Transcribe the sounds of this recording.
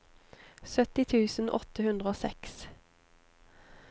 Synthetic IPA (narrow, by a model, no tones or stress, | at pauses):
sœt̪ɪt̪ʰʉːsn̩ʔɔ̰t̪əhʉnd̪ʁəoːsɛks